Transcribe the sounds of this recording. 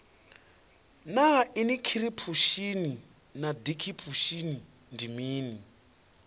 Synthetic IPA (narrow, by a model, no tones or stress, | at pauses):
nainikʰiɾipʰuʃini | nad̪ikʰipʰuʃini | ndimiːni